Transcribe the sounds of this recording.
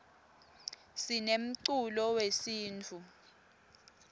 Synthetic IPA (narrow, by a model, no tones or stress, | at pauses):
sinem̩ǀulɔwesiːnt͡fʰu